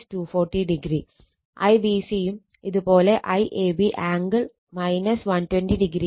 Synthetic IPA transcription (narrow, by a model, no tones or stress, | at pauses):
stuːfoːʈːiɖiɡɾi | ɐ̰jbisijum | iðupo̞ːle̞ʔɐjʔeːbiʔaːŋɡɐɭ | mɐjnɐsʋɐntwenɖiɖiɡɾi